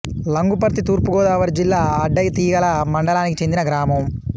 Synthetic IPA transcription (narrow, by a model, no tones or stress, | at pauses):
lɐŋɡupɐɾt̪it̪uːɾpuɡɔːd̪aːʋɐɾd͡ʒilːaːɐɖːɐjt̪iːɡɐlɐmɐɳɖɐlaːnikit͡ʃe̞nd̪inɐɡɾaːmɐm